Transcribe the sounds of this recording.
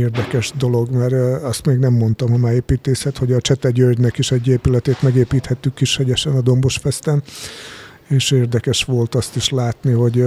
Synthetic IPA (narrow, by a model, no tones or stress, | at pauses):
eːrd̪ɛkɛʃd̪o̞lo̞ɡmɛrɒst̪meːɡnɛmːo̞nt̪ɒmɒmɛeːpiːt̪eːsɛt̪ho̞ɟɒt͡ʃɛt̪ɛɟørdnɛkiʃɛɟːeːpylɛt̪eːt̪mɛɡeːpiːt̪hɛt̪ːykːiʃhɛɟɛʃɛnɒd̪o̞mbo̞ʃfɛst̪ɛn | eːʃeːrd̪ɛkɛʃʋo̞lt̪ɒst̪iʃlaːt̪niɦo̞ɟ